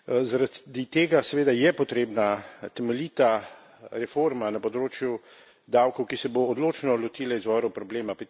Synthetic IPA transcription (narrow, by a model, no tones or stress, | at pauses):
zaɾad̪it̪eːɡasɛʋeːd̪ajɛpɔt̪ɾeːbnat̪ɛmɛliːt̪a | ɾɛfoɾmanapɔd̪ɾoːt͡ʃju | d̪awkɔwkisɛboːd̪loːt͡ʃnɔlɔt̪iːlaizʋɔɾɔwpɾɔbleːmap